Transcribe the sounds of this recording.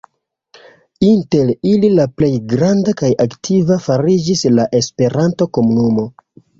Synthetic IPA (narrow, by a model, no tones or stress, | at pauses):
inte̞lililaple̞jɡɾandakajʔaktʰivafaɾid͡ʒislaʔe̞spe̞ɾantoko̞munumo̞